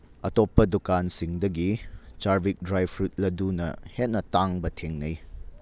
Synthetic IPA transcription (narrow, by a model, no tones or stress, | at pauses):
ɐtopːɐdukansiŋdɐɡit͡ʃaɾbik̚dɾajpʰɾut̚lɐdunɐ̰het̚nɐtaŋbɐtʰeŋnɐj